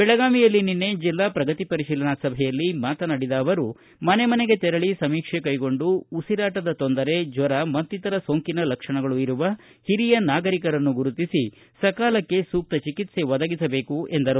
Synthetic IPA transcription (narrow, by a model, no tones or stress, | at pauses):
bɛɭɐɡaːmijɐlːininːe̞d͡ʒilːaːpɾɐɡɐt̪ipɐɾiʃiːlɐnɐsɐbʱɛjɐlːimaːt̪ɐnɐɽid̪ɐːʋɐɾu | mɐne̞mɐneɡe̞t̪ɛɾɐɭisɐmiːkʂekɐjɡo̞ɳɖuːsiɾaːʈɐd̪ɐt̪o̞nd̪ɐɾe̞d͡ʒʋɐɾɐmɐnt̪ːit̪ɐɾɐsoːŋkinɐlɐkʂɐɳɐɡɐɭuiɾuʋɐ | hiɾijɐnaːɡɐɾikɐɾɐnːuɡuɾut̪isi | sɐkaːlɐkːe̞suːk̚t̪ɐt͡ʃikit̪se̞ʋɐd̪ɐɡisɐbe̞ːkuend̪ɐɾu